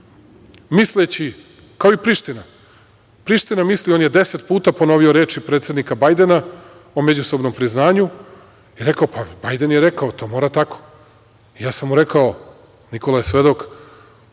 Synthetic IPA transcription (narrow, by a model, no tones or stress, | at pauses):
mislet͡ɕi | kaoipɾiʂt̪ina | pɾiʃt̪inamislionjed̪e̞set̪puːt̪apo̞no̞ʋioɾe̞ːt͡ʃipɾet̪se̞d̪nikabajd̪ena | o̞med͡ʑuso̞bno̞mpɾiznaːɲu | iɾe̞kaopabajd̪enjeɾe̞kaot̪o̞ːmo̞ːɾat̪ako̥ | ijaːsamːuɾe̞kao̞ | niko̞lˠajesʋe̞d̪o̞k